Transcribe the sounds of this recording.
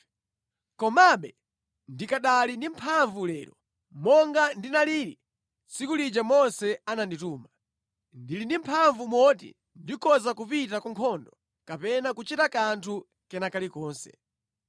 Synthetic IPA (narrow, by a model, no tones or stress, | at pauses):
kɔmaɓɛ | ndikaɗalindim̩pʰaɱvulɛːɾɔ | mɔŋɡandinaliɾḭ | sikulid͡ʒamɔnsɛanandituːma | ndilindimpʰaɱvumwɔtḭ | ndikɔzakupitakuŋkʰɔndɔ | kapɛnakut͡ʃitakantʰu | kɛnakalikɔːnsɛ̰̥